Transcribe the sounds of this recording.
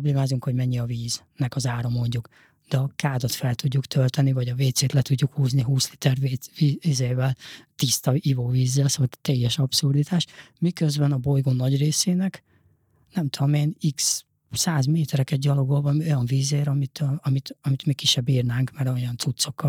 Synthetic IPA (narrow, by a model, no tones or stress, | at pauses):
obleːmaːzuŋkho̞ɟmɛɲːiɒviːznɛkɒzaːɾɒmo̞ɲɟuk | d̪̥ɛɒkaːd̪ot̪fɛlt̪uɟːukt̪ʰølt̪ɛnivɒɟɒveːt̪seːt̪lɛt̪uɟːukhuːzniɦuːsli̥t̪ɛrveiiːzeːvɛlt̪ist̪ɒivoːviːzːɛlsot̪t̪ːɛjːɛʃɒpsurd̪it̪ʰaːʃmikøzbɛnɒbo̞jɡoːnːɒɟreːseːnɛk | nɛmt̪ud̪omeːniks | saːzmeːt̪ɛɾɛkɛt̪̚ɟɒlo̞ɡo̞lvɒmio̞jɒɱviːzeːɾɒmit̪ʰɒmit̪ɒmit̪mikːiʃːɛbːiːrnaːŋkmɛɾoojɒnsut̪so̞kːɒ